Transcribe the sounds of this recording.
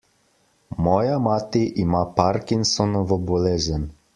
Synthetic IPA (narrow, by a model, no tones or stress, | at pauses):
mɔjamat̪iʔimapaɾkinsɔnɔʋəbolezən